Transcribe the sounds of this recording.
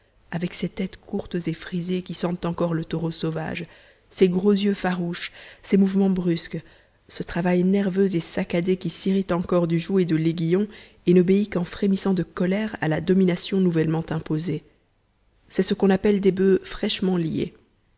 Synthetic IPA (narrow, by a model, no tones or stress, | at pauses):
avɛkset̪ɛt̪kʰuʁt̪zefχizekʲisɑ̃t̪ɑ̃kɔʁlət̪oʁosova̰ʒ | seɡʁozjøfaʁuʃsemuvmɑ̃bʁysk | sət̪χavajnɛʁvøzesakad̪ekʲisiʁit̪ɑ̃kɔʁd̪yʒued̪əleɡʲijɔ̃ | enɔbeikɑ̃fχemisɑ̃d̪əkɔlɛʁa̰lad̪ɔminasjɔ̃nuvɛlmɑ̃t̪ɛ̃poze | sɛsəkɔ̃napɛld̪ebøfχɛʃmɑ̃ljḛ